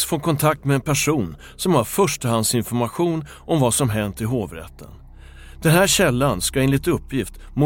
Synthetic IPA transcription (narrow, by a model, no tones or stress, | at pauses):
sfoːkʰɔnt̪ʰak̚t̪mɛɛnpʰæʂuːn | sɔmhaɾfœʂʈəɦand̪sɪnfɔɾmaɧuːn | ʔɔmvasɔmɦɛnt̪ɪɦoːvɾɛ̰t̪ʰːə̰n | d̪̥ɛnɦæːɾɕɛlːanskaɪnɪt̪ɵpːjɪft̪mʊ